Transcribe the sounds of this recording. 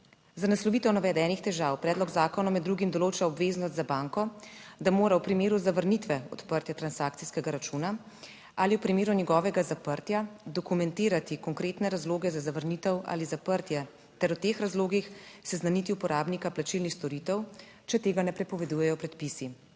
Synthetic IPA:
zanaslɔʋiːt̪ɛwnaʋɛd̪ɛːnixt̪ɛʒawpɾɛːd̪lɔɡzaːkɔnɔmɛd̪ːɾuɡimd̪ɔloːt͡ʃaɔbʋeːznɔst̪zabaŋkɔd̪amoːɾawpɾimeːɾuzaʋəɾnit̪ʋɛɔ̰t̪pəɾt̪jat̪ɾansaːk̚t̪siskɛɡaɾat͡ʃuna | aliwpɾimeːɾunjɛɡɔːʋɛɡazapəɾt̪jad̪ɔkumɛnt̪iːɾat̪ikɔŋkɾeːt̪nɛɾazloːɡɛzazaʋəɾnit̪ɛwa̰ːlizapəɾt̪jɛ | t̪ɛɾwt̪eːxɾazloːɡixsɛznanit̪iupɔɾaːbnikaplat͡ʃilnixst̪ɔɾit̪ɛw | t͡ʃɛt̪eːɡanɛpɾɛpɔʋɛd̪ujɛjɔpɾɛt̪pisi

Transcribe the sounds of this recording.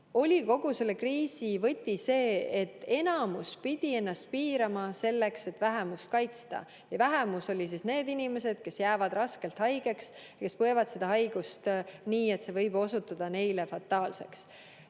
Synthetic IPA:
o̞lʲiko̞ɡ̥use̞lːekriːsivɤ̞t̪ʲːise̞ːet̪ːe̞nɑmuspid̪̥ie̞nːɑst̪̚piːɾɑmɑse̞lːe̞kse̞t̪ːvæɦemust̪̚kɑjt̪st̪ɑ̰ | jɑvæɦemuso̞lʲis̬isne̞ːd̪inime̞se̞d̪̥ke̞sjæːvɑd̪rɑske̞lt̪hɑjɡ̥e̞ksjɑke̞spɤe̞vɑd̪sed̪̥ɑɦɑjɡ̥ust̪niːe̞t̪se̞vɤjb̥o̞sut̪ːˑɑd̪̥ɑne̞jlefɑt̪ːˑɑːlse̞̰ks

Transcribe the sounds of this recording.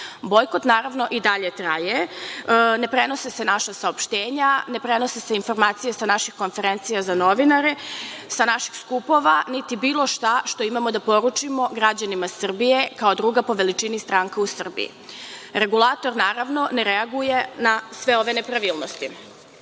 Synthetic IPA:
bo̞jko̞t̪naːɾaʋno̞ʔid̪aʎe̞t̪ɾaje | ne̞pɾe̞no̞sese̞naʃasaopʃt̪eːɲanepɾe̞no̞seseinfo̞ɾmaːt̪sijesanaʃixko̞nfe̞ɾent̪sijazano̞ʋinaɾesanaʃixskupo̞ʋanit̪ibiːlˠo̞ʃt̪aʃt̪o̞imamo̞d̪apo̞ɾut͡ʃimo̞ɡɾad͡ʑanimasr̩bije̞kaod̪ɾuːɡapo̞ʋe̞lit͡ʃinist̪ɾaːŋkausr̩bḭḭɾe̞ɡulˠaːt̪o̞ɾnaːɾaʋno̞neɾeaɡuje̞nasʋe̞o̞ʋe̞ne̞pɾaʋiːlˠnost̪i

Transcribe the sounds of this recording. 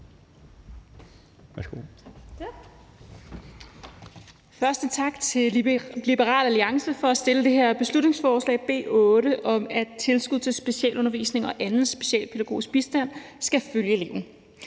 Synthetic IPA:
sɡ̥o̰ | fɶɐsd̥ət͡sʰɑ̈ɡ̥t͡sʰe̝lib̥əʁɑ̰̈ːlæliɑ̈ŋsəfɒ̽æsd̥e̝ləd̥e̝heɐ̰b̥e̝slud̥ne̝ŋsfɒːslɛ̰ːɪb̥e̝̰ːʔɔ̽ːɾəʔɒ̽mæd̥̚t͡sʰe̝lsɡ̥uð̰ˠt͡sʰe̝lsb̥e̝siɛ̰ːlɔ̽nɐʋḭsne̝ŋɒ̽ʔænð̩ˠsb̥e̝ɕɛ̰ːlpʰe̝ɾæɡ̥o̝̰ːisɡ̥̚b̥isd̥æn̰ | sɡ̥æføljəele̝ʊ̰n̩

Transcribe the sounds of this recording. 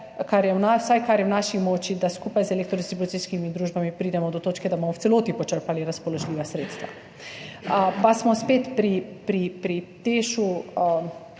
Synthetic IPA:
kaɾjɛwnasajkaɾjɛwnaːʃixmɔːt͡ʃid̪askuːpajzɛlekt̪ɾɔd̪ist̪ɾibut̪iskimid̪ɾuːʒbamipɾiːd̪ɛmɔd̪ɔt̪oːt͡ʃkɛd̪abomɔwt̪sɛloːt̪ipɔt͡ʃəɾpaliɾaspɔlɔʒliːʋasɾeːt̪st̪ʋa̰ | əpasmɔspeːt̪pɾipɾipɾit̪eːʃu

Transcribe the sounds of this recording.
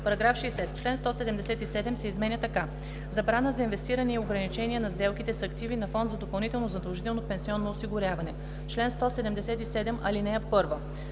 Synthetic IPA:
pɐɾɐɡɾafʃɛːsɛt̪t͡ʃlɛnst̪ɔsɛd̪ɛmd̪ɛsɛt̪isɛd̪ɛmsɛizmɛnʲət̪ɐka | zɐbɾanəzɐinvɛst̪iɾəniioɡɾɐnit͡ʃɛniɛnɐzd̪ɛlˠkit̪ɛsɐkt̪ivinɐfɔnd̪zɐd̪opɐlˠnit̪ɛlˠnozɐd̪ɐlˠʒit̪ɛlˠnopɛnsiɔnːoːsiɡʊɾʲjavɐnɛ | t͡ʃlɛnst̪ɔsɛd̪ɛmd̪ɛsɛt̪isɛd̪ɛmʔɐlinɛɐt̪pɤɾvə

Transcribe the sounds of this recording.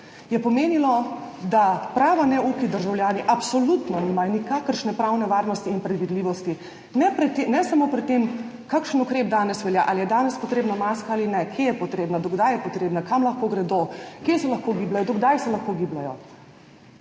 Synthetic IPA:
jɛpɔmeːnilɔd̪apɾaːʋanɛukid̪əɾʒawljaːniʔapsɔlut̪nɔnɛmajnikakəɾʃnɛpɾawnɛʋaːɾnɔst̪iːnpɾɛd̪ʋid̪liːʋɔst̪i | nɛpɾɛt̪ːenɛsamoːpɾɛt̪ːem | kakʃənukɾeːb̚d̪aːnɛsʋɛljaʔalijɛd̪aːnɛspɔt̪ɾeːbnamaskaalinɛkʰjejɛpɔt̪ɾeːbnad̪ɔɡd̪ajɛpɔt̪ɾeːbnakamlɐxkoːɡɾɛd̪okjesɛlɐxkoːɡiblajɔd̪ɔɡd̪ajsɛlaxkoɡiblajɔ

